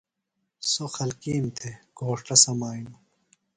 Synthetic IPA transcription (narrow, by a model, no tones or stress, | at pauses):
soxɐlkiːnt̪ʰeɡ̥ʱoːʂʈɐsɐmaːinu